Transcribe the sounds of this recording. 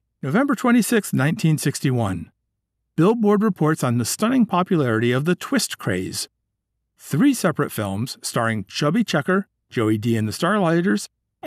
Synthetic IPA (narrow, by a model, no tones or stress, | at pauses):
noʊvɛ̃mbə˞tʰw̥ɛ̃ɾ̃isɪksnãɪ̃ntʰĩnsɪkstiwʌ̃n | b̥ɪlˠbɔɹd̚ɹɨpʰɔɹtsn̩ðɨstʌnɪ̃ŋpʰɑpjɨlɛɹɨɾiʌvðɨtʰw̥ɪstkʰɹ̥ḛɪz̥ | θɹisɛpɹɨtfɪ̰lˠmz̥stɑɹɪ̃ŋt͡ʃʰʌbit͡ʃʰɛkə̥˞ | d͡ʒ̥oʊidiɨ̃nðɨstɑɹlaɪɾə˞z̥